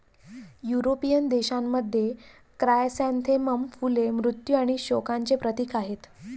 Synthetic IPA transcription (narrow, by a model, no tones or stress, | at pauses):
juɾopijənd̪eɕamːəd̪ʱje | kɾajsãnt̪ʰeməmfulemɾut̪juaɽ̃iɕokaɲt͡sepɾət̪ikaɦet̪